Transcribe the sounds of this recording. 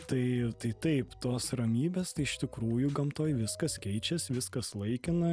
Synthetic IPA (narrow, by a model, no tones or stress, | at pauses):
t̪ɐɪt̪ɐɪt̪ɐɪpt̪oːsɾɐmʲiːbʲeːst̪ɐɪɪʃt̪ʲɪkɾuːjʊɡɐmt̪oːjʋʲɪskɐskʲɛɪt͡ʃʲɛsʋʲɪskɐslˠɐɪkʲɪnɐ